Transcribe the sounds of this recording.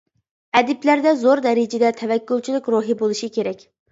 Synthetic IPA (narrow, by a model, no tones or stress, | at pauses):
ɛd̪ɪplæɾd̪ɛzoɾd̪ɛɾɪd͡ʒɪd̪ɛt̪ʰɛvɛkʲːulˠt͡ʃʰilykʲɾuɦibolˠuʃikʲeɾɛkʲ